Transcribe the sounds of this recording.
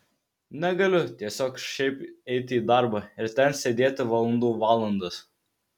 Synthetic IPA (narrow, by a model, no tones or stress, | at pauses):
nʲɛɡɐlʲʊt̪ʲiɛsʲoːkʃʲɛɪpɛɪt̪ʲɪiːd̪ɑˑɾbɐɪɾt̪ʲɛnsʲed̪ʲeːt̪ʲɪʋɐlˠɐnd̪uːʋɑːlˠɐnd̪ɐs